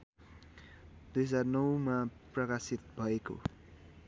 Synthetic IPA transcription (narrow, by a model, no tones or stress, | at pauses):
d̪̥es̬arnʌwmaprʌkasit̪̚bʱʌeko̰